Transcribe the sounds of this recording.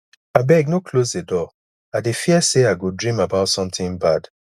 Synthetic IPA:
abɛɡ̚nokʰlozdedɔ | adefiəseaɪɡodɹĩmabaʊtsɔ̃mtĩŋbad̥

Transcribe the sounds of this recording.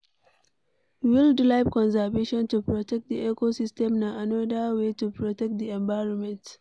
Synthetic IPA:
wildilajpkɔ̃ns̬əveʃɔ̃ntupɹɔtɛk̚t̚d̪iʔɛkosistɛ̃mnaʔanɔdawetupʰɹɔtɛk̚t̚d̪iɛ̃ɱvaɪɹɔ̃nmɛ̃nt

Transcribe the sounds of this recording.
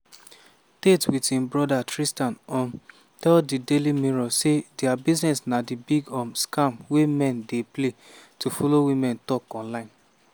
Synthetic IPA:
tetwitĩmbɹɔdatɹistãnɔ̃n | tɛldidelimiɹɔsedɛabiznɛsnadibiɡɔ̃mskãmwemɛ̃ndeple | tufɔlowimɛ̃ntɔkɔ̃nlãɪ̃n

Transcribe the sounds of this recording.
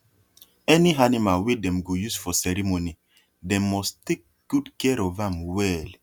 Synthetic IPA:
ɛniɦanimawedɛ̃mɡojusfɔsɛɾimoni | dɛ̃mːɔstek̚ɡ̥udkɛɾɔvamwɛl

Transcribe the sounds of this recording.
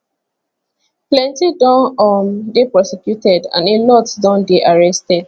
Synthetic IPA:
plɛ̃ntidɔ̃nɔmdepɹɔsɛkjutɛdã̰nelɔtsdɔ̃ndeʔaɹɛstɛd̥

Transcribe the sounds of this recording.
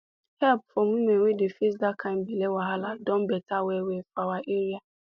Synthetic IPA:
hɛlpfɔ̃mwimẽnwedefesdakʰãɪ̃mbelewaɦaladɔ̃mbɛtʰawɛwefawaʔeɾia

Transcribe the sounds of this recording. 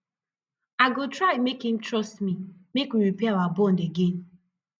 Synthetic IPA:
aɡotɹaɪmekhĩmtɹɔstmimekwiɾipɛawabɔ̃ndeɡẽn

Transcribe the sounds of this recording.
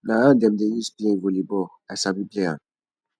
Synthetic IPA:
naadɛ̃mdɛjispiɛ̃volibɔ | asabiplea̰

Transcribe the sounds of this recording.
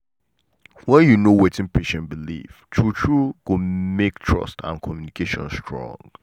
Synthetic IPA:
wɛ̃njunowetɪ̃npʰeʃɛ̃nbilḭftʰɹutʰɹuɡ̥omektʰɹʌ̰stã̰nkʰɔmjunikʰeʃɔ̰̃nstʰɹɔ̰̃ŋ

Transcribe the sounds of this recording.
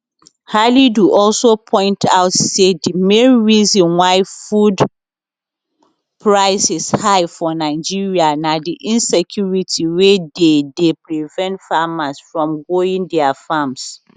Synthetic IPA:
haliduʔɔlsopʰɔ̃ɪ̃ntʰaʊtsedimẽnɹizɔ̃nwaɪfud | pʰɹaɪsɪshaɪfɔnaɪd͡ʒiɹianadiʔĩnsɛkʰjuɹitʰiwededepɹivɛ̃ntfamasfɹɔ̃mɡoĩŋdɛafams

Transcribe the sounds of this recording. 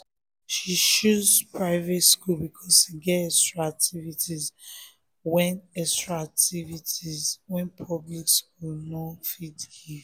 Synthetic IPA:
ʃiʃuzpɹaɪvetskulbikʰɔsiɡɛtɛstɹaak̚tʰivitʰiz | wɛ̃nɛstɹaak̚tʰivitizwɛ̃npʰɔbliksk̚ulnɔfidhi

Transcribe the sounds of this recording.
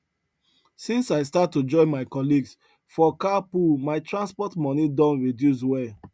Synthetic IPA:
sĩnsaɪstatːud͡ʒɔ̃ɪ̃nmaɪkɔliɡs | fɔkapumaɪtɹãnspɔtmɔnidɔ̃nɹidjus̬wɛ

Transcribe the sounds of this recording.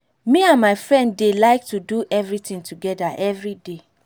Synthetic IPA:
miãnmaɪfɹɛ̃ndːelaɪk̚tuduʔɛvɹitĩŋtuɡɛdaʔɛvɹide

